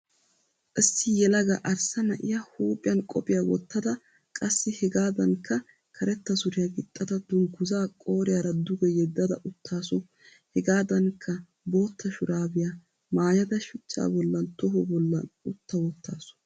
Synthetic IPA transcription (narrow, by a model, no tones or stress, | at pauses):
ʔɪsːɪjɛlɐɡɐʔɐɾsɐnɐʔɪjɐhuːpʼɪjɐnkʼɔpʼɪjawɔ̰t̪ːɐd̪ɐ | kʼɐsːɪhɛɡaːd̪ɐŋkʰːɐ | kʰɐɾɛt̪ːɐsʊɾɪjaɡɪt̪ʼːɐd̪ɐd̪ʊŋɡʊzaːkʼo̞ːɾɪjɐɾɐd̪ʊɡɛjɛd̪ːɐd̪ɐʔʊt̪ʰːaːsɔ | hɛɡaːd̪ɐŋkʰːɐ | bo̞ːt̪ːɐʃʊɾaːbɪja | maːjɐd̪ɐʃʊt͡ʃːa̰ːbɔlːɐnt̪ɔɦɔbɔlːɐ̰nʊt̪ːɐwɔt̪ːa̰ːsɔ̥